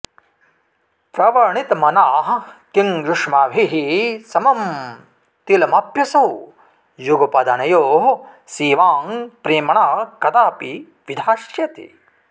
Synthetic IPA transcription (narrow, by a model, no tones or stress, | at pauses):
pɾɐʋɐɾɳit̪ɐmɐnaːɦɐkiŋɡɾuʂmaːbʱiɦisɐmɐm | t̪ilɐmɐpjɐsɐw | juɡɐpɐd̪ɐnɐjoːɦsiːʋaːŋpɾiːmɐɳaːkɐt̪aːpi | ʋid̪ʱaːʃjɐt̪ḭ